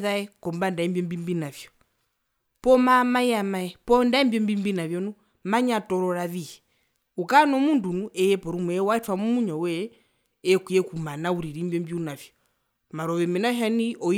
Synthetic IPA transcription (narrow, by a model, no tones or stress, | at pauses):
ðaɛkɔmbandaɛmbjɔmbimbinavjɔ | pɔmamajamaɛpɔndaɛmbjɔmbimbinavjɔnu | maɲatɔɾɔɾaʋihɛ | ukanɔmundunuʔɛjɛpɔɾumuɛwaɛtwamumuɲɔwɛ | ɛkwiɛkumanauɾiɾimbjɔmbjunavjɔ | maɾɔwɛmɛnaɦaniʔɔ